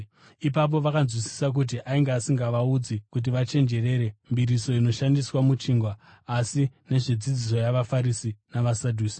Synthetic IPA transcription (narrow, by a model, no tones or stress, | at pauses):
ip̬ap̬o̞ʋakanzwisi̥sak̬ut̬iʔaiŋɡeasiŋɡaʋaud͡zikut̬iʋat͡ʃe̞nd͡ʒe̞re̞ɾe̞mbiɾiso̞ino̞ʃandiswamut͡ʃiːŋɡwaː | sine̞ʐed͡zid͡zis̬o̞jaʋafaɾisinaʋasadʱuːsi̥